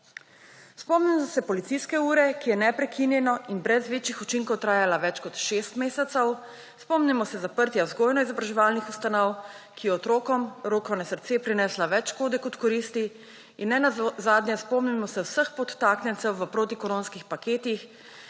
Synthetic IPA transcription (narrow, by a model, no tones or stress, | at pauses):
spɔmnimɔsɛpɔlit̪siskɛuːɾɛkijɛnɛpɾɛkʰinjɛnɔʔinbɾɛzʋeːt͡ʃixut͡ʃiŋkɔwt̪ɾaːjalaʋɛt͡ʃkɔt̪ʃeːst̪meːsɛt̪sɛw | spɔmnimɔsɛzapəɾt̪ʲjazɡoːjnɔizɔbɾaʒɛʋaːlnixust̪anɔw | kʰijɛɔt̪ɾoːkɔmɾoːkɔnɛsəɾt̪seːpɾinɛslaʋɛt͡ʃkoːd̪ɛkɔt̪kɔɾist̪i | inːɛnazaːd̪njɛspɔmnimɔsɛwsəxpɔt̪ːaːknʲɛnt̪sɛwʋəpɾoːt̪ikɔɾoːnskixpakeːt̪ix